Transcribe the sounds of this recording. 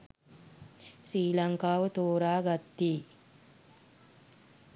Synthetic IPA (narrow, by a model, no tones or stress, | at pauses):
sɾiːlaŋkaːʋət̪oːɾaːɡat̪ːiː